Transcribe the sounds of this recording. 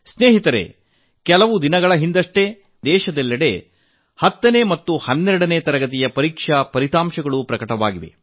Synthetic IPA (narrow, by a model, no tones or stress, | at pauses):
sneːɦit̪ɐɾḛ | kɛlɐʋud̪inɐɡɐɭɐɦind̪ɐʂʈe̞ | d̪ɛːʃɐd̪ɛlːɐɽe̞̰ | hɐt̪ːɐne̞ːmɐt̪ːuhɐnːɛɾɐɽɐneːt̪ɐɾɐɡɐt̪̬ijɐpɐɾiːkʂɐpɐɾit̪aːmʃɐɡɐɭupɾɐkɐʈɐʋa̰ːɡiʋḛ